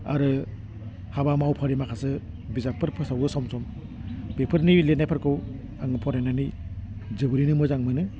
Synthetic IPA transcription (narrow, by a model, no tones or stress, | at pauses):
a̰ɾɯ | habamawpʰaɾimakʰasɯ | bizapʰɯɾpʰɯsawɯsɔmsɔm | bepʰɯɾniletnajpʰɯɾkɯw | aŋɯpʰɔɾananɯjd͡ʒɯbɯɾinɯmɔzaŋmɯnɯ